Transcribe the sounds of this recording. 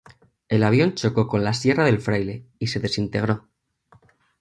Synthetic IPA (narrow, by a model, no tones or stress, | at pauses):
e̞laβ̞jo̞nt͡ʃo̞ko̞ko̞nlasje̞raðe̞lfɾajle̞ise̞ðe̞sint̪e̞ɣ̞ɾo̞